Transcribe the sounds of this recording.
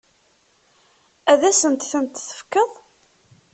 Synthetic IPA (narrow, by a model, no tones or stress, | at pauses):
æðæsənt̪θənt̪θə̥fkəðˤ